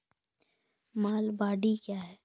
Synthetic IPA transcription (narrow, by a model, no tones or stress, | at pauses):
maːlbaːɖikjaːɦɛː